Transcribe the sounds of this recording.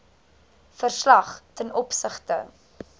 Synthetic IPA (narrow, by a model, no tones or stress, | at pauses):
fərslɐχtɛnɔpsəχtə̰